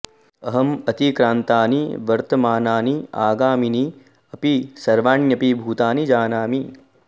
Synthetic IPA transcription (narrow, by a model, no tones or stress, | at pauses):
ɐɦɐmɐt̪ikɾaːnt̪aːniʋɐɾt̪ɐmaːnaːniaːɡaːmini | ɐpisɐɾʋaːɳjɐpibʱuːt̪aːnid͡ʒaːnaːmi